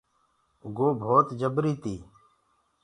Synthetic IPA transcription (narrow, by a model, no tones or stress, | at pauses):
ʊɡoːbʱoːt̪d͡ʒəbɾiːt̪iː